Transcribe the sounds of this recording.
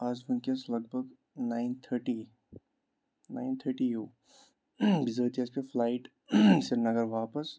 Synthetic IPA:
aːd͡ʒbʊnkɐslɐɡ̚bʱəɡ | naːɪnt̪ʰəɾʈiː | na̰ːɪnt̪ʰəɾʈiɦoː | bɪzəːt̪ʰiɐspeflaːɪʈ | sɪɾnɐɡəɾʋaːpəs

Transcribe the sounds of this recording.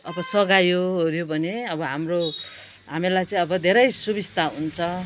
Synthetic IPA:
ʌbʌsʌɡajoɦoɾjobʱʌneʌbʌɦamro | ɦamilajt͡sʌĩʌbʌd̪ʱeɾʌjsubist̪aɦunt͡sʰʌ

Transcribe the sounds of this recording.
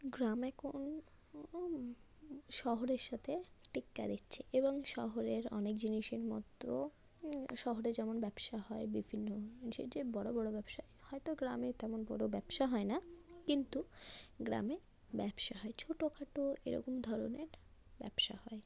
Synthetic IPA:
ɡɾamɛkʰon | ʃɔɦoɾeɾʃat̪ʰeʈikːa̰d̪itːt͡ɕʰeʔeboŋʃɔ̰ɦoɾeɾɔ̰nekd͡ʑiniʃeɾmɔ̰t̪ːo | ʃɔɦoɾed͡ʑɛmonbɛbʃaɦɔebibʱinːoʃḛd͡ʑebɔɽobɔɽobɛbʃaehɔet̪oɡɾamet̪ɛmonbɔɽobɛbʃaɦɔenakint̪uɡɾa̰me | bɛbʃaɦɔet͡ɕʰoʈokʰaʈoḛɾɔ̰komd̪ʱɔɾo̰neɾbɛ̰bʃa̰hɔe

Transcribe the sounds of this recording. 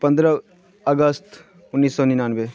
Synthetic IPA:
pɐ̃nd̪ɾa | ɐɡəst̪ | ʊnːiːsːɔːninaːnʋe

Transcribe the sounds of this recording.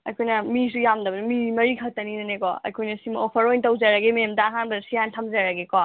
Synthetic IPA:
ɐ̰jkʰojnɐmis̬ujamdɐbɐnɐmimɐɾikʰɐtɐninɐnekɔ̰ɐ̰jkʰojnɐsimɐopʰɐɾojntɐwzaɾɐɡememtaːɦanbɐsijantʰɐmzaɾɐɡekɔ

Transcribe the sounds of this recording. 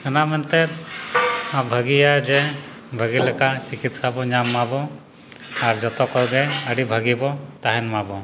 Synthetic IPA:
ənamɛnt̪ɛt̪ | abʱəɡijad͡ʒɛ | bʱəɡilɛkat͡ʃikit̪sabɔɲamːabɔ | aɾd͡ʒɔt̪ɔkɔɡɛəɖibʱəɡibɔt̪aɦɛnmabɔ

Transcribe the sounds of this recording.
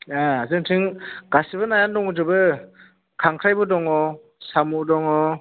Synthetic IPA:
aazɯŋtʰiŋɡ̥asibɯnajandɔŋɔd͡ʒɯbɯ | kʰaŋkʰɾajbɯdɔŋɔ | samudɔŋɔ

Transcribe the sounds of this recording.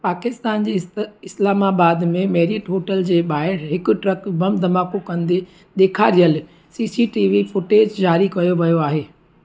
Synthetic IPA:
paːkɪst̪aːnd͡ʑiɪslaːmaːbaːd̪mẽmeːɾiʈɦoːʈəld͡ʑeːɓaːɪɾɦɪkʊ̆ʈɾɐkbɐmd̪ʱɐmaːkokɐ̃nd̪e | d̪eːkʰaːɾijəl | siːsiʈiːʋifʊʈeːd͡ʑd͡ʑaːɾikɐjoʋɐjoaːɦeː

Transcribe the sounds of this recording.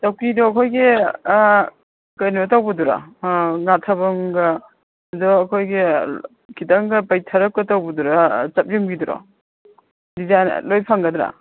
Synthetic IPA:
tawkidɔːkʰojɡe | kɐjnubɐtawbɐduɾa̰ŋatʰɐbɐŋɡɐ | dɔːkʰojɡe | kʰitaŋɡɐpajtʰɐɾɐk̚kɐtawbuduɾat͡ʃɐp̚juŋbɡiduɾɔ̰ | dizajn̰lojpʰaŋɡɐdɾa̰

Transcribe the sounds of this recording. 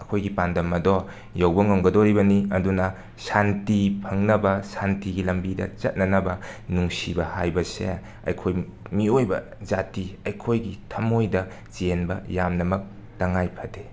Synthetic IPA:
ɐkʰojɡipandɐmːɐdɔ | jawbɐŋomɡɐdoɾibɐniɐdunɐ | santipʰɐŋnɐbɐsantiɡilɐmbidɐ̰t͡ʃɐ̰t̚nɐnɐbɐnuŋsibɐhajbɐsḛ | ɐ̰jkʰojmiojbɐ̰ | zatiɐjkʰojɡitʰɐmojdɐ | t͡ʃienbɐ̰jamnɐmɐk̚ | tɐŋajpʰɐde

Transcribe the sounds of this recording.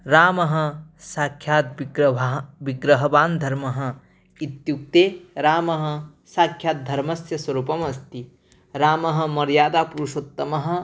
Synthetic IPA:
ɾaːmɐɦɐ̆saːkʰjaːt̪̚ː | ʋiɡɾɐɦɐbaːnd̪ʱɐɾmɐɦɐ̆ | it̪̚juk̚t̪eːɾaːmɐɦɐ̆ | saːkʰjaːt̪̚d̪ʱɐɾmɐsjɐswɐɾuːpɐmɐst̪i | ɾaːmɐɦɐ̆mɐɾjaːd̪aːpuɾuʃot̪ːɐmɐɦɐ̆

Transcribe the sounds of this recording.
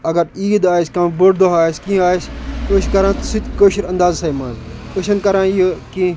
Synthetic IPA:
ɐɡɐɾiːd̪aːiskɐ̃mboɽd̪oɦaːsʲkĩːaːiskoːʃkɐɾãːt̪sit̪ʲkoːʃiɾɐnd̪aːzsɐːimãːzkoʃɐnkɐɾãːjokĩː

